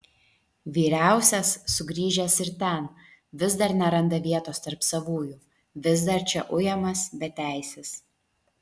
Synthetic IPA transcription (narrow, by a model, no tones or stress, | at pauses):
ʋʲiːɾʲæˑʊsʲɛsːʊɡɾʲiːʒʲɛsɪɾt̪ʲɛn | ʋʲɪzd̪ɐɾnʲɛɾɐnd̪ɐʋʲiɛt̪oːst̪ɐɾpsɐʋuːjuː | ʋʲɪzd̪ɐɾt͡ʃʲɛʔʊjɛmɐsbʲɛt̪ʲæˑɪsʲɛs